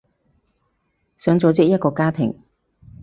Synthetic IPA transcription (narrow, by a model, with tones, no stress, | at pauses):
sœː˨˥ŋt͡so˨˧wt͡sɪ˥k̚jɐ˥t̚kɔː˧kaː˥t̪ʰɪ̰˨˩ŋ